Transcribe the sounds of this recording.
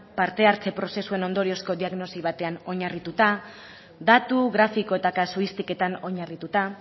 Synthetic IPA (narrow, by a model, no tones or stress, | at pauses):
paɾt̪e̞aɾt͡se̞pɾo̞se̞sue̞no̞nd̪o̞ɾio̞sko̞diaɣno̞siβ̞at̪e̞ano̞ɲarit̪ut̪a | ðat̪uɣɾafiko̞e̞t̪akasuist̪ike̞t̪ano̞ɲarit̪ut̪a